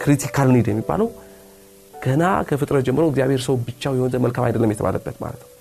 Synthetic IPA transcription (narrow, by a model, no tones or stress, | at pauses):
kʰɨɾit̪ʰikʰalnid̪jɛmːibːa̰ləw | ɡ̥əna̰kʰəfɨt̪ʼɾət̪̚d͡ʒɛmːɨɾəwɪɡzijaβhe̞ɾsəwbɨt͡ʃːawjɛhonzəməlkʰama̰jd̪əlːəmjɛt̪ʰə̰βa̰ləbːət̪ma̰lət̪nəw